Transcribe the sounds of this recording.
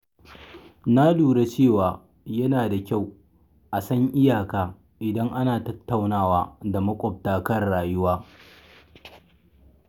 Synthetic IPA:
na˦duː˨ɽe˦t͡ʃeː˦˨waː˨ | jɐ˦naː˨da˨kʲa˦˨w | ʔa˨sɐ˦ŋʔɪ˦jaː˨kaː˨ | ʔɪ˨dɐ˦ŋʔa˦naː˨tɐ˦tːa˨wnaː˦˨waː˦da˨mɐ˦kʷʼɔ˨p̚taː˦kɐ˦rɽaː˨jʊ˦waː˦

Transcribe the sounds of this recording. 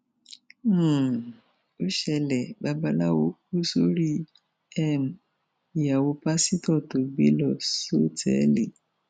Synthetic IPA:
o˦ʃɛ˧lɛ˨ba˧˦ba˧la˦wo˧˦ku˦so˦ɾi˦ | ɛ˦˨m̩˨ | i˨ja˨wo˧pa˦si˦tɔ˦˨to˨ɡ͡be˦lɔ˦˨so˦tʰɛ̰˨˦le˨

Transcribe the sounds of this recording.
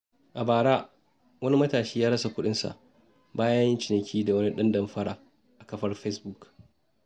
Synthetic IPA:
ʔa˨baː˨ɽaː˦ | wɐ˦ni˦mɐ˦taː˨ʃiː˦jaː˦ɽɐ˦sa˨kʷʊ˦ɗɪ˦nsa̰˨ʔ | baː˦jɐ˦jɪ˦nt͡ʃɪ˨nɐ˨kʲʰiː˦da˨wɐ˦ni˦ɗɐ˦ndɐ˨mɸɐ˦ɽaː˨ | ʔa˨kɐ˦ɸɐ˦rɸe˦sbu˦˨k

